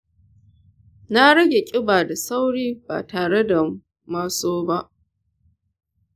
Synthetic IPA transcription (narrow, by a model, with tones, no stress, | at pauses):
na˦ɽɐ˦ɡʲe˨kʲʼɪ˦baː˨da˨sa˦wɽiː˦ba̰ː˨taː˨ɽe˦da˨ | maː˦soː˦ba˦ʔ